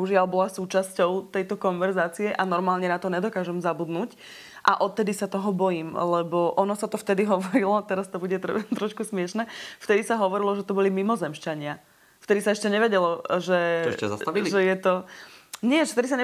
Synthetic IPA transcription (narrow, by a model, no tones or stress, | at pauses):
uʒialbɔlasuːt͡ʃascɔʊt̪ɛjt̪ɔkɔnʋɛɾzaːt͡siɛʔanɔɾmaːlɲɛnat̪ɔɲɛd̪ɔkaːʒɛmzabud̪nuːc | ʔa̰ʔɔt̪ːɛd̪isat̪ɔɦɔbɔjiːmlɛbɔʔɔnɔsat̪ɔft̪ɛd̪iɦɔʋɔɾilɔt̪ɛɾast̪ɔbuɟɛt̪ɾɔʃkusmɪɛʃnɛːft̪ɛd̪isaɦɔʋɔɾilɔʒɛt̪ɔbɔlimimɔzɛmʃt͡ʃaɲɪa | ft̪ɛd̪isaɛʃcɛɲɛʋɛɟɛlɔʒɛɛasaʒɛjɛt̪ɔɲɪɛʒɛft̪ɛd̪is̬aɲɛ